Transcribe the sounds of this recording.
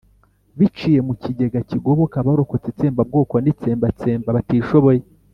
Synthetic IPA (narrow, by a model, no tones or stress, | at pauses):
βit͡ʃije̞muciɟe̞ɡaciɡo̞βo̞kaβaɾo̞ko̞t͡set͡se̞ːmbab̚ɡoːkonit͡seːmbat͡se̞ːmbaβatiːʃoβo̞je